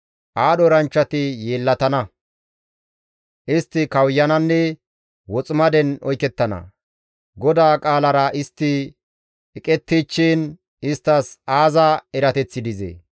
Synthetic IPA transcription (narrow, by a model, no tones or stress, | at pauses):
ʔaːɗɔɾɐnt͡ʃːɐt̪ɪjeːlːɐt̪ɐnɐ | ʔɪst̪ːɪkɐwjːɐnɐnːɛ | wɔt͡sʼɪmɐd̪ɛnɔjkɛt̪ːɐnɐ̰ | ɡɔd̪aːkʼaːlɐɾɐʔɪst̪ːɪ | ɛkʼɛt̪ːit͡ʃːiːn | ɪst̪ːɐsaːzɐɛɾɐt̪ɛt͡sːɪd̪ɪzḛ